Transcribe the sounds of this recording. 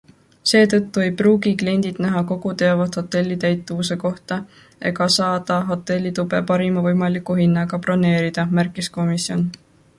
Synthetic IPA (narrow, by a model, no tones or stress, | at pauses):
se̞ːt̪ɤ̞t̪ːue̞jpruːɡiklie̞nʲd̪̥id̪̥næɦɑko̞ɡut̪e̞ɑvɑt̪ho̞t̪ːˑe̞lʲːit̪æjt̪ːˑuvuse̞ko̞ht̪ɑ | e̞ɡɑsɑːd̪̥ɑɦo̞t̪ːˑe̞lʲːit̪ube̞̰pɑɾimɑvɤjmɑlikːˑuɦinːɑɡ̥ɑpro̞ne̞ːɾid̪̥ɑmærkːˑisko̞misjo̞n